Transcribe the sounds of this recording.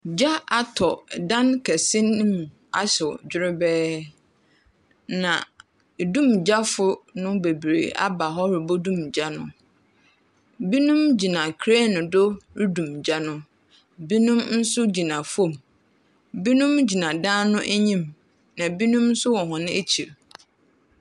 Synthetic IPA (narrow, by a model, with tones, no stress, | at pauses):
d͡ʑa˦a˨tʰɔ˨dã˦nkʰɛ˨sɪ̃˦ñː˦mũ˨ | a̰˦sɪ˨d͡ʑʊ˦ɾɪ˦bɛː˦ | nã˨ | dũ˦˨md͡ʑa˦fʊ˦nʊ̃˦be˨bɾḛ˨ʔa̰˦ba˨ɦɔ˦ɾi˨bo˦dũ˦md͡ʑa˦nʊ̰̃˦ | bi˦nũ˦md͡ʑi˨nã˨kʰɾe˦nʊ̃˨dʊ˦ɾi˦dũ˨md͡ʑa˦nʊ̃˦ | bi˦nũ˦mn̩˦sʊ˦d͡ʑi˨nã˨fo˦˨m | bi˦nũ˦md͡ʑi˨nã˨dãː˦nʊ̃˦ʔe˦ɲĩ˦m | nã˨bi˦nũ˦mn̩˦sʊ˦wɔ̃˨ɦɔ̃˨nɪ̃˦e˦t͡ɕʰi˨ɾ